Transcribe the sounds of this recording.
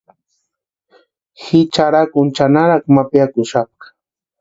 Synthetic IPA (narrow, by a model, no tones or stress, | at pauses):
hɪt͡ʃaɾakʊnt͡ʃanaɾaχmapjakʊʃap̚